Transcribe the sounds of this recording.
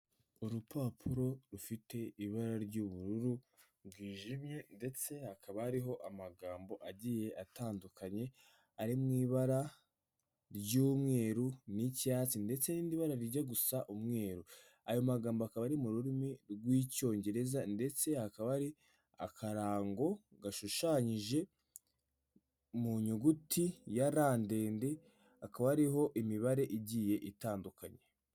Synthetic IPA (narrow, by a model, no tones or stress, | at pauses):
uɾupʰaːpʰuɾo̞ɾufite̞iβaɾaɾɟuːβuɾuɾu | ɾɡwiːʒimje̞nde̞t͡se̞hakaβaaɾiɦo̞ʔamaɡaːmbo̞ʔaɟije̞ʔataːndukaɲe̞ | aɾimŋiːβaɾa | ɾɟuːmŋe̞ːɾunicaːt͡sinde̞t͡se̞niːndiβaɾaɾiɟaɡusaʔumŋe̞ːɾu | ajo̞maɡaːmboakaβaɾimuɾuɾimiɾɡwiːco̞ːɲɟe̞ɾe̞zande̞t͡se̞hakaβaɾi | a̰kʰaɾaːŋɡo̞ɡaʃuʃaːɲiʒe̞ | muɲuɡutʰijaɾaːnde̞ːnde̞ | akaβaɾiɦo̞ʔimiβaɾe̞ʔiɟiːje̞ʔitaːndukaɲe